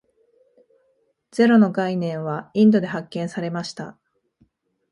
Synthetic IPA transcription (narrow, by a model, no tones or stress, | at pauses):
d͡z̥e̞ɾo̞no̞ɡainẽ̞ɰ̃βaĩnd̪o̞d̪e̞ɦakːẽ̞ɰ̃saɾe̞maɕi̥t̪a